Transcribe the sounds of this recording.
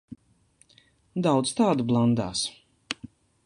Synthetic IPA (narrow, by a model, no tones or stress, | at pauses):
d̪awt̪st̪aːd̪ublˠand̪a̰ːs